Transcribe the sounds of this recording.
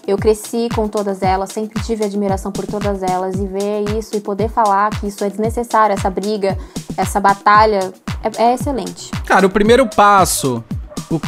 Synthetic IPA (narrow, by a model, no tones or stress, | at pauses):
ewkɾesikõt̪od̪ɐzɛlɐsːẽmpɾɪt͡ʃivɪad͡ʒmiɾasɐ̃w̃poɾt̪od̪ɐzɛlɐzɪveisʊɪpod̪eɾfalaɾkɪisʊɛd͡ʒɪznesesaɾʊɛsɐbɾiɡɐɛsɐbat̪aʎɐɛɛeselẽnt͡ʃɪ̥kaɾɐʊpɾimejɾʊpasʊʊ